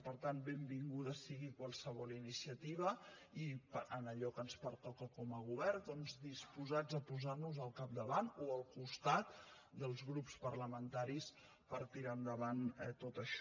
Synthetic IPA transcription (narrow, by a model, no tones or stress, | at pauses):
pəɾt̪anbembiŋɡuðəsiɣikwəlˠsəβɔlinisiət̪iβəipənəʎɔkənspəɾt̪ɔkəkɔməɣuβ̞ɛrd̪ɔnzd̪ispuzad͡zəpuzaɾnuzəlˠkap̚d̪əβanoəlˠkust̪at̪̚ | d̪əlˠzɣɾupspərləmənt̪aɾis | pəɾt̪iɾand̪əβant̪ot̪əʃ